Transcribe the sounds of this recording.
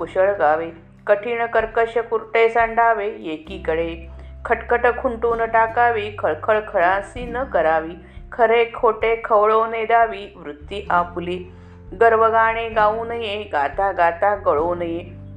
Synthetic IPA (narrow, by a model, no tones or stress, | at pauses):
puɕəɭɡaʋe | kəʈʰiːɳ̃əkəɾkəɕəkuɾʈesaɳɖaːʋejekiːkəɽekʰəʈkəʈəkʰuɳʈuːnəʈakaːʋiːkʰəɭkʰəɭkʰəɭãsiːnəkəɾaʋiː | kʰəɾekʰoʈekʰəʋɭoned̪aːʋiʋɾut̪ːiʔapli | ɡəɾʋəɡaːɽ̃ẽɡaũːnəjeɡat̪aɡat̪aɡəɭonəje